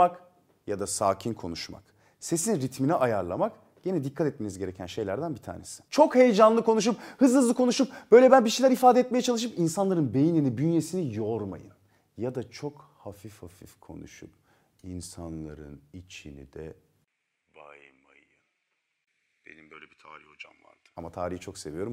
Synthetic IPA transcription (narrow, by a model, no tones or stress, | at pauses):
ak | jad̪asaːcʰinkʰo̞̰nuʃma̰k | se̞sinɾit̪miniʔajaɾlˠamak | ɟenɛd̪ikʰːat̪ɛt̪̚me̞nizɟe̞ɾe̞cʰænʃe̞jlʲæɾd̪ænbit̪ʰa̰ːnesi̥t͡ʃʰo̞khe̞jed͡ʒanlˠɯkʰo̞nuʃ̬up̚hɯzˠhɯzˠɯkʰo̞nuʃup̚b̥ø̞jlʲɛbænbiʃejlʲæɾifaːd̪ɛt̪mejɛt͡ʃʰalˠɯʃ̬ɯpinsanlˠaɾɯnbe̞jininibynje̞sinijoɾma̰jɯ̰n | jad̪at͡ʃʰo̞khafifhafifkʰo̞̰nṵʃṵp | insanlˠa̰ɾɯ̰nit͡ʃʰinḭd̪ɛ̰ | bajmajɯn | b̥ḛnimbøjlʲɛbit̪ʰa̰ːɾihhod͡ʒa̰mva̰ɾd̪̥ɯ̥amat̪ʰaːɾiit͡ʃʰo̞kse̞vijo̞ɾum